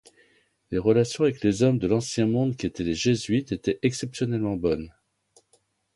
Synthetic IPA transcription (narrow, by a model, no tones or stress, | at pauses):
leʁəlasjɔ̃avɛklezɔmd̪əlɑ̃sjɛ̃mɔ̃d̪kʲiet̪ɛleʒezɥit̪et̪ɛʔɛksɛpsjɔnɛlmɑ̃bɔn